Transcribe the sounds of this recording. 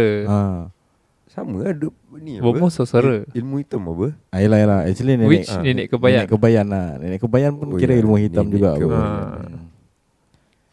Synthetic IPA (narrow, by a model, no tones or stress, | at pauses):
a | saməadə | niabəmosəsəɾəilmuhit̪amabəailahilahɛ̰t͡ʃəliniwininiʔkəbajaʔkːəbajananḭnɪʔkəbajanpuniɾəilmuɦit̪amd͡ʒuɡaa̰bə